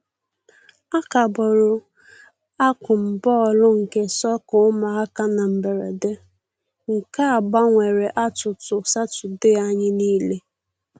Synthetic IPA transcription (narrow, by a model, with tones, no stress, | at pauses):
a˦ka˨bɔ˨ɾʊ˨ | a˦kʷʊ˨m̩˨bɔ˦ɔ˨lʊ˦ŋ̩˨ke˦sɔ˦kʊ˨˦ʊ˦ma˨a˦ka˦na˨m̩˨be˨ɾḛ˨de˦ | ŋ̩˨ka˦a˨ba˦ŋʷe˨ɾe˨ʔa˦tʊ˨tʊ˨sa˦tʊ˨dɪ˦a˦ɲɪ˦niː˦le˦